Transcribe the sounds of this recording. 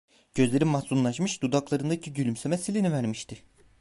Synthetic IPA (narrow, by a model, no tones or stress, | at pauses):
ɟ̥ø̞zlʲe̞ɾimahsunlˠaʃmɯʃd̪ud̪aklˠaɾɯnd̪acʰiɟylʲymsemɛsilʲinivæɾmiʃt̪ʰɪ